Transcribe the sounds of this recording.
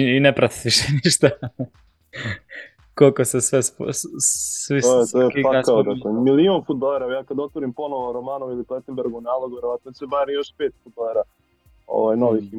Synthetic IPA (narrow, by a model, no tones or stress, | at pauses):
inepɾat̪i̥t̪iʃeniʃt̪a | kolkosesʋespssʋisoet̪oeiaakaod̪aomilionfud̪̚balˠeɾajaːkad̪ot̪ʋoɾimpo̞noʋoɾomaːnoilipet̪embeɾɡunaːlˠoɡuʋeɾoʋat̪̚not͡ʃebaɾjo̞ʃpeːt̪fud̪̚balˠeɾa | o̰ʋajnoʋixi